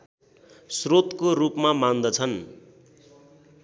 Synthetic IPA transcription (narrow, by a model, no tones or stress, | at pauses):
srot̪korupmamand̪ʌt͡sʰʌn